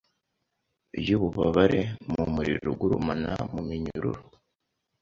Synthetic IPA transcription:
bjuβuβaβaɾʔe̞mumuɾiɾoɡuɾumanamumiɲuɾṵɾo

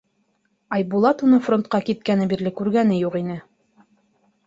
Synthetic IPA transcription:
ɑjbulˠɑt̪unɤfro̞nt̪̚qɑkit̪̚kænɘbiɾlɘkʉɾɡænɘjuqin̪ɘ

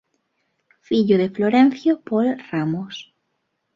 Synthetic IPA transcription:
fiʎoðefloɾẽn̟θjopolramos

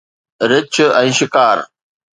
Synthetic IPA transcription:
ɾɪt͡ʃʰɛ̃ːʃɪkaːɾ

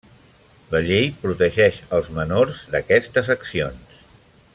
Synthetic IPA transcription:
ləʎejpɾut̪əʒɛʃəlˠzmənorzd̪əkɛst̪əzəksions

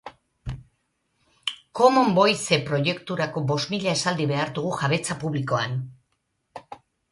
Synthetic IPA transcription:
ko̞mo̞mbo̞jse̞pɾo̞ʝe̞kt̪uɾako̞bo̞smiʎae̞sald̪iβe̞aɾd̪uɣ̞uʝaβe̞t͡sapuβliko̞an

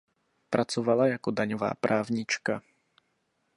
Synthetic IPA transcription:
pɾʔat̪sɔvalajakɔd̪aɲɔva̰ːpɾʔavɲit͡ʂka

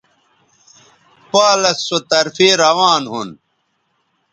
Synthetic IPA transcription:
paːlɐsːot̪ɐɾfeːɾɐwaːnɦun

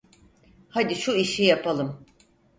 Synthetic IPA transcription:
had̪iʃuiʃijapalˠɯm

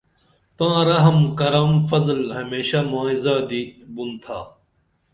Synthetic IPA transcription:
t̪ãːɾɐɦɐmkɐɾaːmfɐzlhɐmeːɕamoːizad̪ibunt̪ʰaː

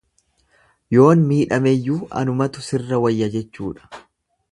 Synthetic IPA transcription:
jo̞ːnmiːᶑɐmɛjːuːʔɐ̰nʊmɐt̪ʊsɪrːɐwɐjːɐd͡ʒɛt͡ʃːuːᶑɐ̥

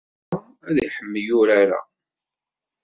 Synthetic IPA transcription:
æðæjħəmːəjʊɾaɾa̰

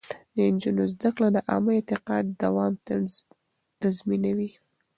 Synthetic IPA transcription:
d̪əɪnd͡ʒunozd̪aklad̪əʔɑ̰məɪt̪ɪqɑd̪ːawɑmt̪ | t̪azminawi

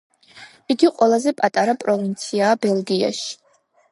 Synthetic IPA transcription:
mid̪iqʼwɛlˠazɛpʼat̪ʼaɾapʼɾɔvint̪sʰiaːbɛlˠɡia̰ʃi̥

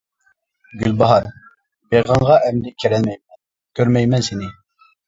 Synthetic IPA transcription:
ɡʲylbɑɦɑɾ | b̥eʁɑɴʁɑʔɛmd̪ɪkʲʰɛɾɛlmɛjmɛn | kʲʰøɾmɛjmɛnsɪnɪ

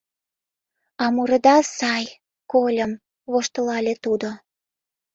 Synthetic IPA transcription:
ɑmuɾəd̪ɑsɑj | kolʲəm | βoʃt̪əlɑlʲet̪ud̪o

